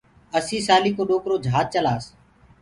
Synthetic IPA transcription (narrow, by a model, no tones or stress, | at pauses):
əsĩːsaːliːkoːɗoːkɾoːd͡ʒʱaːt̪̚t͡ʃəlaːs